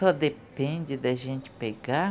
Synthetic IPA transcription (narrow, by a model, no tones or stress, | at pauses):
sɔd̪epẽnd͡ʒɪd̪ɪaʒẽnt͡ʃ̪ɪ̥peɡa